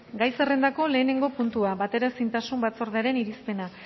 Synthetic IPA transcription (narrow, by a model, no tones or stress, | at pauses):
ɡajse̞re̞nd̪ako̞le̞ːne̞ŋɡo̞punt̪uaβat̪e̞ɾasint̪asumbat͡so̞ɾð̞eaɾe̞niɾispe̞na